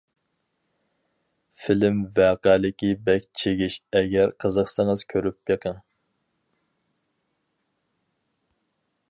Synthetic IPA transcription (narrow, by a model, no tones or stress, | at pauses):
filɪmvæːqælɪkʲibɛkʲt͡ʃʰeɡʲiʃɛɡʲɛɾqʰəzəqsəŋəz̥kʲʰøɾyp̚jeqʰəŋ